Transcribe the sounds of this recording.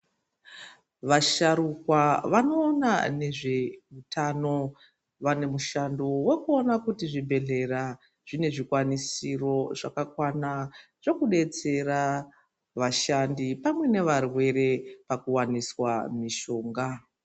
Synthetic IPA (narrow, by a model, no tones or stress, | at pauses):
ʋaʃaɾukwaʋano̞ːnane̞ʐe̞utʰano̞ | ʋane̞muʃando̞we̞kuo̞nakutiʐibʱe̞ɮe̞ra | ʐ̥ine̞ʐikwanisiro̞ʐakakwana | ʐ̥o̞kuɗe̞t͡se̞ɾa | ʋaʃandipamwe̞ne̞ʋarwe̞ɾe̞pakuwaniswamiʃo̞ːŋɡa